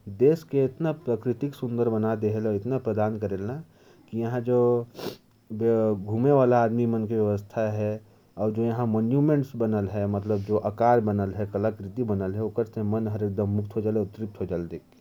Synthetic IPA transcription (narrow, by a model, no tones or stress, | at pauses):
d̪eːskeɪt̪napɾəkɾɪt̪ɪksʊ̃nd̪əɾbənad̪eɦelɔɪt̪napɾəd̪aːnkəɾelna | kijɐɦãd͡ʒoː | ɡʱumeʋaːlaaːd̪mimənkeʋjɐʋəst̪ʰaɦɛ | ɔːɾd͡ʒojɐɦãmənjumẽɳʈsbənəlɦɛmət̪ləbd͡ʒoʔəkaːɾbənəlɦɛkəlakɾɪt̪ibənəlɦɛʊkəɾsemənɦəɾek̚d̪əmːʊk̚t̪ʰɦod͡ʒaːlɛʊt̪ɾip̚t̪ʰɦod͡ʒaːld̪eːke